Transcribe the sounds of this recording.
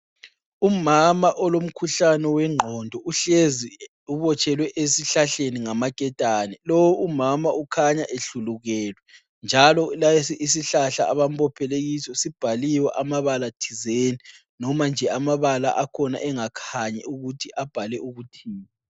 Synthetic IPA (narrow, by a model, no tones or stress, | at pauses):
umamaʔɔlom̩kʰuɬanɛwɛŋ͡ǃʱɔndʱɔʔuɬezi | uβɔt͡ʃʰʼɛlwɛʔesiɬaɬeniŋamakʼɛtʼanɛlɔwuumamaukʰaɲaʔeɬuluɣɛːlwɛ | nd͡ʒʱalɔlasis̬iɬaɬa̰aβam̩p̬ʰʼɔpʰɛleɣisɔsib̥ʱaliwɛʔamaβalatʰizeni | nɔmand͡ʒʱɛamaβala̰ʔakʰɔna̰ʔɛŋakʰaɲɛ̰uɣutʰiʔab̥ʱalɛʔuɣutʰiːma